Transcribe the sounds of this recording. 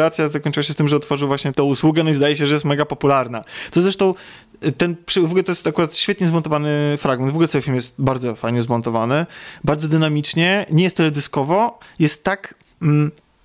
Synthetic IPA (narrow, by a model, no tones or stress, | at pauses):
ɾat̪sʲjazakɔɲt͡ʂɨwaɕ̬ɛst̪ɘmʐɛɔt̪fɔʐɨwvwaɕɲɛt̪ɔ̃w̃uswuɡɛnɔizd̪ajɛɕ̬ɛʐɛjɛst̪mɛɡapɔpulaɾnat̪ɔzɾɛʂt̪ɔ̃w̃ | t̪ɛnpʂɛuvɔɡulɛt̪ɔjɛst̪akuɾat̪ɕfʲɛt̪ɲɛzmɔnt̪ɔvanɘfɾaɡ̚mɛnvɔɡulɛt̪sawɘfʲilmjɛst̪baɾd̪zɔfajɲɛzmɔnt̪ɔvanɘbaɾd̪zɔd̪ɘnamʲit͡ʂɲɛɲɛjɛst̪ːɛlɛd̪ɘskɔvɔjɛst̪ːak | m̩